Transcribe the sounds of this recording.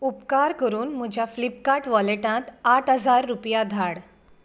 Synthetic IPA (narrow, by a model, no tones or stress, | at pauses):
upkaɾkəɾuːnm̤əd͡ʑʱjaflipkaʈʋɔleʈãt̪aʈʰɦəd͡zaɾːupjad̪ʱaɽ